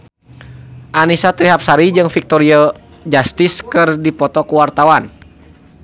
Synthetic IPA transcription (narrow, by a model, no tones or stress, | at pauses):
ʔanisat̪ɾiɦap̚saɾid͡ʒɨŋfik̚t̪ɔɾiɔ | d͡ʒast̪iskɨrdipɔt̪ɔkuwart̪awan